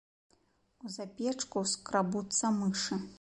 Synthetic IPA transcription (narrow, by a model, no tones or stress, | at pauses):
uzapʲɛt͡ʂkuskɾabut̪sɐmɨʂɨ